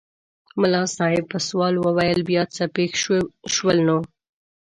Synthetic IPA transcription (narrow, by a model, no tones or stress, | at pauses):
mʊlɑsɑɪb̚pəswɑlwəwajəlbjɑt͡sapexʃwəlno